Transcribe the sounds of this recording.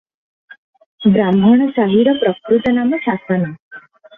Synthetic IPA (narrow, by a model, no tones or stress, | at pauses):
bɾambʱəɳ̃əsaɦiɾəpɾəkɾut̪ənaməsasəna